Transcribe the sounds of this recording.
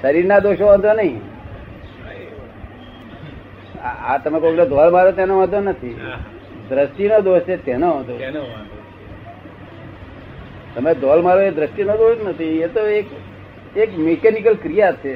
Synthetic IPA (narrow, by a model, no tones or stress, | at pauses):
ʃəɾiɾnad̪oʃoə̃d̪onəɦĩ | a̰at̪əmekoknod̪ɔlmaɾot̪ɛ̃noʋə̃d̪onət̪ʰi | d̪ɾəsʈ̪inod̪oʃt͡ʃʰet̪ɛnoə̃t̪o | t̪əmed̪ɔlmaɾoed̪ɾəst̪inod̪oʃnət̪ʰiet̪oek | ekmekenikəlkɾijat͡ʃʰe